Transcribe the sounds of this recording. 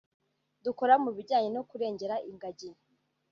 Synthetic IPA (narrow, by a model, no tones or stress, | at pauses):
duko̞ɾamuβiɟaːɲenokuɾe̞ːɲɟeɾaʔiŋɡaɟin